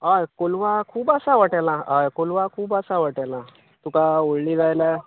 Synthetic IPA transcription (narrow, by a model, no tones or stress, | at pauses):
ajkolʋakʰuːbasaʋaʈalãajkolʋakʰuːbasaʋaʈalã | t̪ukaoɽliːd͡zajla